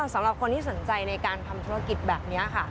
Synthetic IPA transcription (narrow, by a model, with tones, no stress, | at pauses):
sa˩˦ɾa˨˩p̚kʰo˧nt̪ʰiː˥˩so˩˦nt͡ɕa˧jna˧jkaː˧nt̪ʰa˧mt̪ʰuː˧ɾa˧ki˨˩t̪̚bɛː˨˩p̚ni˦˥ɐkʰa˥˩